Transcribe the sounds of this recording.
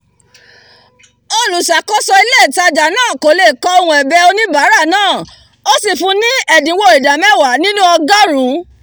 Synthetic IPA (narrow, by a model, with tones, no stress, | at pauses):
o˧˨lu˨sa˨˦kɔ˦sɔ˧i˧le˦˨ta˧d͡ʒa˨nãː˦˨ko˨˦le˦˨kɔ˧˦o˧hũ˧ɛ˨bɛ˧o˧nĩ˦ba˨˦ɾa˦˨nãː˦˨ | o˦si˦˨fũ˧˦nĩ˦ɛ˨dĩ˨˦wo˧˨i˨da˨mɛ˦˨wa˨˦nĩ˦nũ˦ɔ˧ɡa˦ɾ̃ũ˨˦